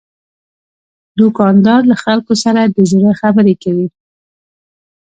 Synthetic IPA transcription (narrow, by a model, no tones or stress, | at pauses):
d̪ʊkɑnd̪ɑɾlaxalkosaɾad̪əzʊɾaxabəɾekawi